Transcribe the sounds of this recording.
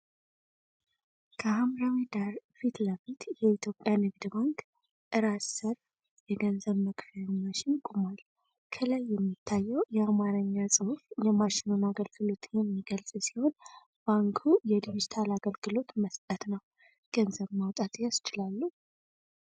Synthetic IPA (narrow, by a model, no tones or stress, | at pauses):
kʰəhamɾawid̪aɾfit̪ləfit̪jɛit̪ʰjo̞pʼːjanɨɡd̪ɨbaŋk | ʔɨɾasəɾ | jɛɡənzəβməkfamaʃɪnkʼumal | kʰəlajːɛmːit̪ʰːajːɛwjɛamaɾəɲːasʼɨhufjɛmaʃɪnunaɡəlɡɨlo̞t̪jɛmːiɡəlsʼsi̥ho̞n | b̥aŋkʰujɛd̪iβd͡ʒt̪ʰalaɡəlɡɨlo̞t̪məst̪ʼət̪nəw | ɡ̥ənzəβmawt̪ʼat̪ʼjasɪ̥t͡ʃɪlalːu